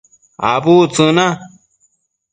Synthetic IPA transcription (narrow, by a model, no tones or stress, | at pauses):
a̰βut͡sɨ̃nã